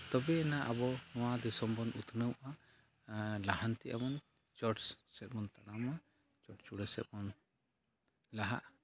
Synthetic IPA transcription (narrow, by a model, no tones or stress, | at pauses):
t̪ɔbɛːnaʔabɔnɔwad̪ɛsɔmbɔnut̪ʰnəwʔa | laɦant̪iʔa̰mɔn | t͡ʃɔʈsɛt̪̚mɔnt̪aɽama | t͡ʃɔʈt͡ʃuɽəsɛ̰t̪̚mɔn | laɦa̰ʔ